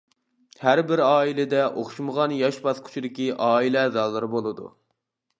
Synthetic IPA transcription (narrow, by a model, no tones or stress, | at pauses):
hæɾbɪɾɑːilɪd̪ɛʔoχʃuməʁɑnjɑʃbɑskʰʊ̥t͡ʃʰid̪ɪkʲiʔɑːilɛzɑlˠːɨɾɨbolˠɨd̪ṵ